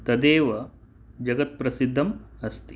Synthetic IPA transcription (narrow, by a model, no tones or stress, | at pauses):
t̪ɐd̪eːʋɐ | d͡ʒɐɡɐt̪̚pɾɐsid̪ʱːɐmɐst̪i̥